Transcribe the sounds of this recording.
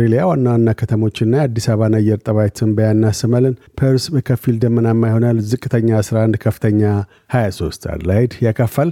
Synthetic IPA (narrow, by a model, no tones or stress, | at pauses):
ɾelijawanːawanːakʰət̪ʰəmo̞t͡ʃːɪnːaad̪ːisaβanajːɛɾt̪ʼəβajt̪ʰɨnbəjanːasəməlɨn | pʰəɾsbəkʰəfild̪əmːənamːajho̞nalzɨkʼːɨt̪ʰəɲːasɾaand̪kʰəfɨ̥t̪ʰəɲːa | hajaso̞st̪a̰d̪lad̪jakʰafːal